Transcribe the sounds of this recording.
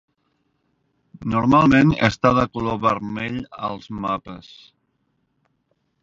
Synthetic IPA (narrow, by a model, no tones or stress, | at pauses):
nuɾmalˠmenə̰st̪aðəkuloβəɾmeʎə̰lˠzmapəs